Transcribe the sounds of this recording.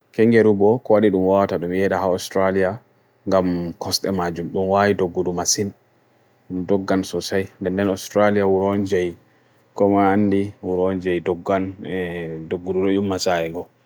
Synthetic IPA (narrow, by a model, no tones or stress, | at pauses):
kɛŋɡeɾubɔkɔwaɗiɗumwawataɗumjɛɗahaɔstɾalija | ŋɡamkʰɔsɗɛmad͡ʒumɗumwajidoɡːudumasin | mdɔɡːansɔsajndɛndɛnɔstɾalijawuɾɔnd͡ʒaj | kɔmaanːdiwuɾɔnd͡ʒajdɔɡːan | doɡːuduɗɔjumːasajɛŋɡɔ